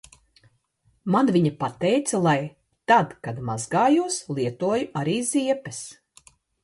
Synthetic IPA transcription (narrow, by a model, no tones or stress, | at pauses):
manviɲɐpat̪ɛjt̪salˠaj | t̪ad̪kad̪mazɡaːjuslˠiɛt̪uɔjuʔaɾiːziɛpɛs